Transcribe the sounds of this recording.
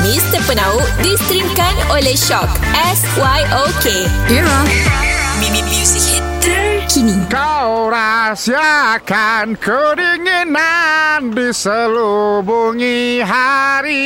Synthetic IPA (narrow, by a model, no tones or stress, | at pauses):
mist̪əpənauʔdisɾiŋkanoleʃɔk | ɛswajʔoke | ila | mimimjuzitkʰinikawɾasiakankəɾiŋinandisəlubuŋiɦaɾi